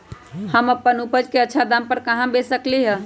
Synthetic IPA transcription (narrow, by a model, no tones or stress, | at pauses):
həməpːənupəd͡ʒkeətːʃʰad̪ampəɾkəɦãbesəkliɦə